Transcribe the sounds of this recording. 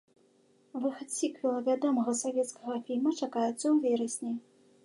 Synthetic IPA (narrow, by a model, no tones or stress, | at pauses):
vɨxɐt̪sʲikvʲilˠɐvʲad̪ɔmɐɣɐsavʲɛt̪skɐɣɐfʲilʲmɐt͡ʂakajut̪sːɐwvʲɛɾɐsʲnʲej